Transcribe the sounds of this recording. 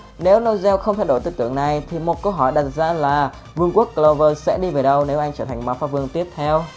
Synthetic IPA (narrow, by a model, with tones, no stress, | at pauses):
ne˨˦wno˧zɛ˧wxə˧wŋ͡mt̪ʰaː˧jɗo˧˩jt̪ɨ̰˧t̪ɨ˧˩əŋna˨˩jt̪ʰi˨˩mo˨˩t̚kə˧wɦɔ˧˩jɗa˨˩t̚zaː˧laː˨˩ | vɨ˧əŋku˦˥ək̚ːlə˧vəː˧sɛ̰˧˥ɗi˧ve˨˩ɗə˧wne˨˦wʔa˧jŋ̟t͡ɕəː˧˩t̪ʰa˨˩ŋ̟ma˨˦wfaː˨˧˥vɨ˧əŋt̪i˦˥əp̚t̪ʰɛ˧w